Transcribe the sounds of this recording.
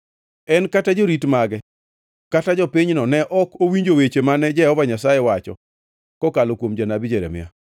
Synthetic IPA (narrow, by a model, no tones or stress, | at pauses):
ɛnkatad͡ʒoɾitmaɡɛ | katad͡ʒɔpiɲnɔnɛʔɔkowiɲd͡ʒowet͡ʃemanɛd͡ʒɛɔvaɲasajewat͡ʃɔ̰ | kɔkalokwomd͡ʒanabid͡ʒeɾḛmɪ̰ja̰